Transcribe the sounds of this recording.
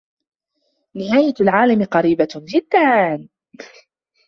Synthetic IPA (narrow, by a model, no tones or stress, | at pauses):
nɪɦaːjalʕaːlamqɑɾiːbad͡ʒɪd̪ːan